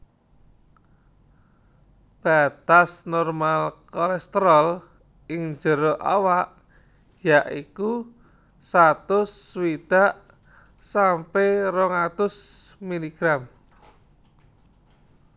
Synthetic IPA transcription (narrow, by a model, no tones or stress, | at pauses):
b̥at̪asnɔrmalkɔlɛst̪əɾɔl | ɪŋd͡ʒə̤ɾoʔa̰waʔ | jaʔiku | sat̪ʊsːwid̪̥a̤ʔ | sampeɾɔŋat̪ʊsmiliɡ̥ɾam